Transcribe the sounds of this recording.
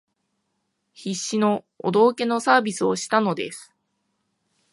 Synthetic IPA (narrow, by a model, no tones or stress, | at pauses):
çiɕːino̞ | o̰d̪o̞ːke̞no̞saːbʲisɨoɕi̥t̪ano̞d̪esɨ̥